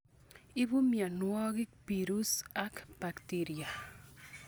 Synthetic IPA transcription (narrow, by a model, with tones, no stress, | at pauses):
i˦bu˦mja˨nwɔ˦ɡɪ˦k̚pi˨ɾu˦sa˦kb̥a˨ktiɾia˨